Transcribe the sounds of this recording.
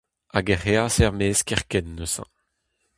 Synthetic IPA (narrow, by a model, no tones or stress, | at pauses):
aɡɛʁeasɛʁmeːskɛʁkɛnːøsɑ̰̃